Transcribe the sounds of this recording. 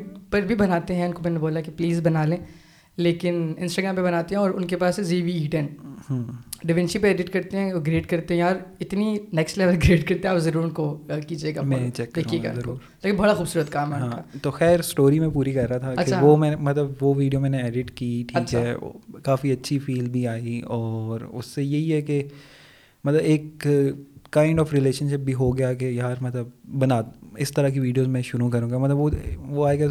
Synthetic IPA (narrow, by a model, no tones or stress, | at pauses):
pɐɾbʱibɐnaːt̪eɦɛ̃ʊnkomɛ̃ːneboːlakepliːzbɐnaːlẽː | leːkɪnɪ̃nsʈaɡɾãːmpebɐnaːt̪eɦɛ̃ɔːɾʊnkepaːseziːʋiiːʈɛnhːɖɪʋɛ̃nʃipeeːɖɪʈkɐɾt̪ẽɦɛ̃ɡɾeːɖkɐɾt̪eɦɛ̃jaːɾɪt̪ninɛːksʈlɛːʋəlɡɾeːɖkɐɾt̪eɦɛ̃ːzɐɾuːɾʊnkokiːd͡ʒieːɡaːmɛ̃t͡ʃɛkd̪eːkʰieːɡa̰ɐɾkouːɾleːkɪnbɐɽaxuːbsuːɾət̪kaːmɦɛʊɦãːkːat̪oxɛːɾsʈoːɾimẽpuːɾikɐɾːaat̪ʰakɐeaʋomɛ̃ːemɐt̪ləbʋoʋiːɖijomɛ̃ːneɛːɖɪʈkiːʈʰiːkːʃʰɦɦɛ̰ːkaːfiɐtːʃʰifiːlbʱiaːiɔːɾʊ̰sːejeɦiɦɛke | mɐt̪ləbeːkː | aːɪ̃ɳɖɔːfɾɪleːʃənʃɪp̚bʱiɦoɡɐjakejaaːɾmɐt̪ləbbɐnaːɪst̪ɐɾakiʋiːɖijoːzmɛ̃ʃʊɾukɐɾũːɡamɐt̪ləbʋoʋoaːeɡa